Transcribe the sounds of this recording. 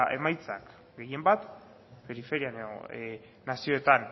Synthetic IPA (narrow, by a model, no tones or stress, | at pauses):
e̞majt͡sak | ɡe̞je̞mbat̪ | pe̞ɾife̞ɾianeo̰ː | asio̞e̞t̪an